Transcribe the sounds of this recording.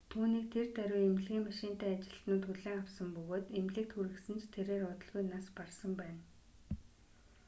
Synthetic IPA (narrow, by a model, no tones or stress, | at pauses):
t̪ʰuːniːk̚t̪ʰert̪æɾʲʊjem̆ɮɣʲiːŋmaʃɪːnt̪æːat͡ɕɪ̥̆ɬt̪nʊːt̪xuɮeːŋawsə̆mpɵɣoːt̪emɮɘ̆k̚t̪xuɾɘ̆ksɘ̆nt͡ɕʰt̪ʰeɾeːɾʊt̪ə̆ɮɣujnasparsə̆mpæːn